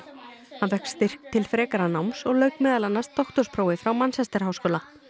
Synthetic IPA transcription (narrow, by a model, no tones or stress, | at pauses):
hanvɛhkst̪ɪr̥k̚t̪ʰɪlfɾɛːkaɾanawmsɔɣlœɥkmɛːðalanːast̪ːɔht̪ɔɾspʰɾoːwɪfɾawmansɛst̪ɛɾ̥haːwskɔːla